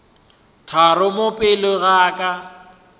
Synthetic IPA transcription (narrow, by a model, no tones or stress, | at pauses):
tʰarʊmʊpʼɪlɪɣaːkʼa